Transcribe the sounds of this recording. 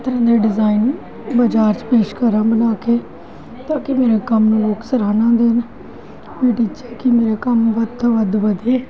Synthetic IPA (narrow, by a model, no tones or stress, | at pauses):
t̪əɾãːd̪eːɖɪzaːin | bəd͡ʒaːɾt͡ʃpeːʃkəɾãːbənaːkeː | t̪ãːkɪmeːɾeːkəmnũːʋoːksəɾaːnãːd̪eːn | mẽːʈiːt͡ʃeːkɪmeːɾeːkəmʋəd̪t̪ãːʋəd̪ʋəd̪eː